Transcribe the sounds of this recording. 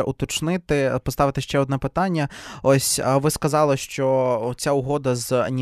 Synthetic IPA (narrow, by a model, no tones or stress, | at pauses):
ʔʊt̪ɔt͡ʃnɪt̪ɪpɔst̪ɑʋɪt̪ɪʃt͡ʃɛɔd̪nɛpɪt̪ɑnʲːɐɔsʲʋɪskɐzɑlˠɪʃt͡ʃɔt͡sʲaʊɦɔd̪ɐz̰nʲi